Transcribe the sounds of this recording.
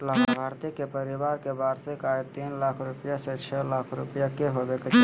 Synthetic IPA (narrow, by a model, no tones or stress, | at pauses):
labʱaːɾt̪ikepəɾɪʋaːɾkebaːɾsekaet̪iːnlaːkʰɾʊpjaset͡ʃʰɛlaːkʰɾʊpjakeɦobeke